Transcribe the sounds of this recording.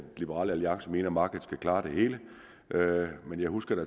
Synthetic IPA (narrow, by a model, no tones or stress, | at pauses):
lib̥əʁɑ̰ːləæliɑ̈ŋsəme̝̰ːnɐmɑ̈ːɡ̥əð̩ˠskækʰlɑ̈ːd̥e̝he̝ːlə | ʔømenjɑ̈ɪhusɡ̥ɐɾ̥æ